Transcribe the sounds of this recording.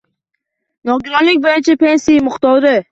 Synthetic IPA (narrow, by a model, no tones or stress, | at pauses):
nɒɡʲɪɾɒnlɪk̚ʲbojat͡ʃʰapʰensijɪmʊχt̪ɒɾɪ